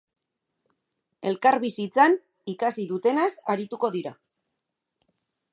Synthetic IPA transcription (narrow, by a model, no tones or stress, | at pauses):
e̞lkaɾβisit͡san | ikasiðut̪e̞nasaɾit̪uko̞ðiɾa